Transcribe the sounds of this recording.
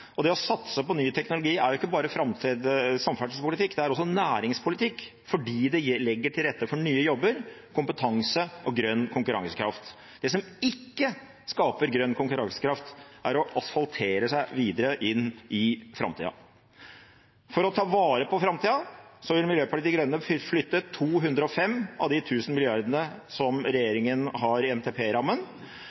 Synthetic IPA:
ɔd̪ɛɔsɑt̪səpɔnyːt̪ʰɛknʊlʊɡiːæɾjʊɪkːəbɑːɾəfɾɑmt̪ʰɾeːd̪sɑmfæɖspʰʊlɪt̪ʰɪkːd̪ɛæɾɔs̬ːɔnæːɾɪŋspʰʊlɪt̪ʰɪkː | fɔɖiːd̪ɛlɛɡːəʈʰɪlɾɛt̪ːəfɔɳyːəjɔbːəɾkʰʊmpət̪ʰɑŋsəʔɔɡɾœnːkʰʊŋkʉɾɑ̰ŋsə̥kʰɾɑft̪ | d̪ɛs̬ɔmɪkːə | skɑːpəɾɡɾœnːkʊŋkʉɾɑŋsə̥kʰɾɑft̪æɾɔʔɑsfɑlt̪ʰeːɾəsæɪʋiːd̪əɾəʔɪnːʔɪfɾɑ̰mt̪ʰḭːɑ̰ | fɔɾɔt̪ʰɑːʋɑːɾəpʰɔfɾɑmt̪iːɑsɔʋɪlmɪljøːpʰɑʈiːt̪ɪɡɾœnːəflʏt̪ːət̪ʰːuːɦʉnd̪ɾəɔfɛmːɑ̰ʋd̪ɪt̪ʰʉːsənmɪlɪjɑɾd̪ənəsɔmɾɛjeːɾɪŋənɦɑɾɪɛmt̪ʰeːpʰeːɾɑmːən

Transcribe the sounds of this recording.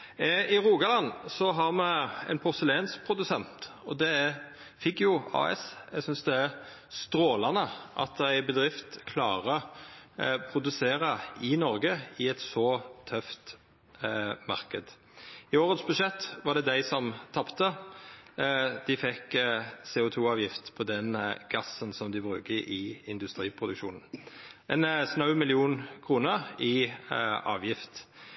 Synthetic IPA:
ɪɾuːɡɑlɑnːsɔɦɑʁmɛɛ̰ɪnpʰʊɾsəleːnsk̚pʰɾʊd̪ʉsɛnt̪ | ɔd̪ɛ | fɪkjʊɑ̰ːɛ̰sɛ̰ɡsʏnsd̪ɛæ | st̪ɾoːlɑnəʔɑ̰t̪æɪbəd̪ʁɪft̪kʰlɑ̰ːʁə | pʰɾʊd̪ʉseːɾɑɪnɔɾɡəɪɛt̪sɔt̪ʰœft̪ | mɑʁkəd̪ | ɪoːʁət̪sbʉʂɛt̪ːʋɑʁd̪ɛd̪æɪsɔmt̪ʰɑpt̪ə | d̪̥ɪfɛksɛːʊt̪ʰuːɑːʋjɪft̪pʰɔd̪ɛnɡ̥ɑsːənsɔmd̪ɪbʁʉ̰ːkəʔɪɪnd̪ʉst̪ʁiːpʰʁʊd̪ʉkʃṵːnn̩ʔɛnsnɑʉmɪlɪuːnkʰʁuːnəʁɪ | ɑ̰ːʋjɪft̪

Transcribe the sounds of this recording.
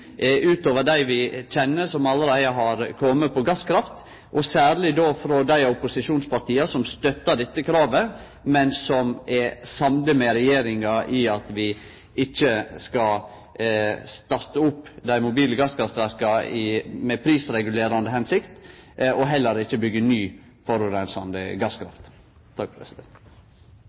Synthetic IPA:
ʔʉːt̪oːʋəɖ̪æɪʋɪc͡çɛnːəsɔmɑlːəɾæɪɑɦɑɾkʰɔmːəpʰɔɡɑskʰɾɑft̪ | ʔɔsæːɾlɪd̪ofɾɔd̪æɪʊpʊsɪʂuːnspɑɾʈ̪iːɑsɔmst̪œt̪ːəɖɛt̪ːəkʰɾɑːʋə | mɛnsɔmɛsɑmd̪əmɛɾɛjeːɾɪŋɑʔɪɑt̪ʋɪ | ɪçːəskɑ | st̪ɑɾt̪əʊpːd̪æɪmʊbiːləɡɑskʰɾɑft̪æɾkɑɪmɛpʰɾiːsɾɛɡʉleːɾɑnd̪əhɛnsɪkt̪ɔɦɛlːəɾɪçːəbʏɡːənyː | fɔɾʊɾɛnsɑnd̪ə̰ɡɑskʰɾɑ̰ft̪ | t̪ʰɑk̚pɾɛ̰sɪd̪ɛnt̪

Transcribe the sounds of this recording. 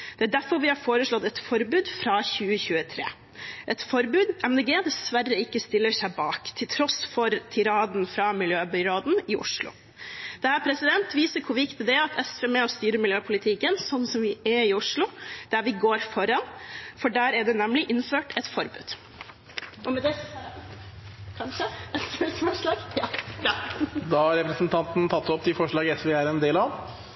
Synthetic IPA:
d̪̥ɛæɖæɾfɔɾʋɪhɑɾfoːɾəʂɭɔt̪ːɛt̪fɔɾbʉːd̪fɾɑçʉːəçʉːət̪ʰɾḛː | ʔɛt̪fɔɾbʉːd̪ɛmd̪eːɡeːd̪ɛsʋærːəɪkːəst̪ɪlːəʂæɪbɑːkt̪ʰɪlt̪ʰɾɔsfɔɾt̪ʰɪɾɑːd̪n̩fɾɑmɪljøːbɪɾɑːd̪nɪʔʊ̰ʂlʊ̰ | d̪̥ɛhæːpʰɾɛsɪd̪ɛnt̪ʋiːsəkʰʊʋɪkt̪ɪd̪ɛɑt̪ʰɛsfəmɛɔst̪yːɾəmɪljøːpʰʊlɪt̪ʰɪkənsɔnːsɔmʋɪæɪʊʂlʊd̪̥æɾʋɪɡoːɾfɔɾɑnfɔɖæːɾæɖɛnɛmlɪʔɪnføːʈʰɛt̪fɔɾbʉ̰ːd̪̥ | ɔmɛd̪ɛ | kʰɑnʂəɛsʋesfɔʂlɑːɡ | d̪ɑhɑɾɛpɾəsnt̪ʰɑnt̪n̩t̪ʰɑt̪ːɔpt̪ʰɪfɔʂɭɑːɡɛsʋeːæɾɛnd̪eːlɑʋ

